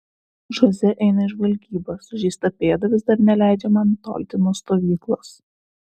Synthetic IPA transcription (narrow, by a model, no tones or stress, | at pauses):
ʒozʲɛʔɛɪnɐɪʒʋɐlʲɡʲiːbɐsʊʒʲiːst̪ɐpʲeːd̪ɐʋʲɪzd̪ɐɾnʲɛlʲæˑɪd͡ʒʲɛmɑnɪt̪o̰ːlʲt̪ʲɪnuːst̪oːʋʲiːklˠoːs